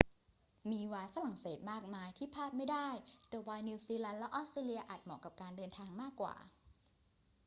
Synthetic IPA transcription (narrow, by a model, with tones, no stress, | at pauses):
miː˧waː˧jfa˧la˨˩ŋseː˨˩t̪̚maː˥˩k̚maː˧jt̪ʰiː˥˩pʰaː˥˩t̪̚ma˥˩jdaː˥˩jt̪ɛː˨˩waː˧jni˧wsiː˧lɛ˧nlɛ˦˥ʔɔː˦˥st̪ɾeː˧li˧ɐʔaː˨˩t̪̚mɔː˨˩˦ka˨˩p̚kaː˧ndɤː˧nt̪ʰaː˧ŋmaː˥˩kːwa̰ː˨˩